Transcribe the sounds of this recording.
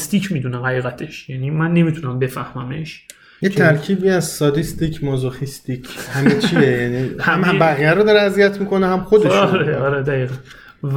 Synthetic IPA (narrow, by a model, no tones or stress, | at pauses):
st̪iːcʰmiːd̪uːneɦæiːɣæt̪ʰe̞ʃjæniːmænːe̞mit̪ʰunæmbe̞fæhmæme̞ʃ | jet̪ʰæɾkʰiːbiːæzsɒd̪ist̪icʰmozoxist̪icʰhæmet͡ʃʰiejænihææmhæbæɣijæɾod̪ɒɾeæzijæt̪ʰmiːko̞nehæmxod̪eʃɒɾeɒːɾed̪æiːɣæn